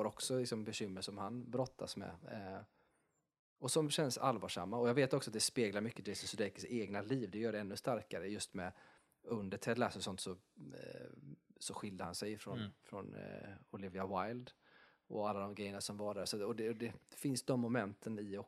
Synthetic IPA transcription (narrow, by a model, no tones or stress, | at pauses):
aɾɔksɔlɪksɔmbɛɕʏmːəʂɔmhanbɾɔt̪ʰːa̰smɛ̰ | ɔsɔmɕɛnsa̰lːvɑːʂa̰mːaɔjɑɡveːt̪ɔksɔat̪̚d̪ɛspeːɡlaɾmʏkːəd̪ɛsɔsd̪ɛkə̥seːɡnaliːvd̪ɛjœːɖɛnːɵst̪aɾkaɾəjɵst̪mɛ | ɵnd̪əʈʰɛd̪lasɔsɔnt̪sɔ | sɔɧɪld̪əhansɛjfɾɔnfɾɔ̰nɔlɪvɪawajld̪ | ɔ̰alːad̪ɔmɡɾɛjːənasɔmvɑːɖæɾsat̪ɔd̪ɛd̪ɛfɪnsd̪ɔmːʊmɛnt̪ʰənɪɔ